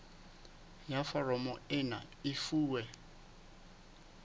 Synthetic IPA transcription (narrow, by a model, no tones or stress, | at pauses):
jafɔrɔmɔɪna̰ɪfuːwɛ